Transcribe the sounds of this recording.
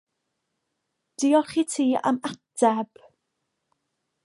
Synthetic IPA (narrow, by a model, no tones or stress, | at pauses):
d̥iɔlˠχiːtʰiːa̰matʰɛb̥